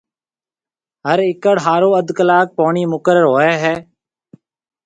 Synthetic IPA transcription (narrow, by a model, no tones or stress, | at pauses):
ɦəɾɪkəɽɦaːɾoːəd̪kəlaːk̚poːɳiːmʊkəɾəɾɦoːɛːɦɛː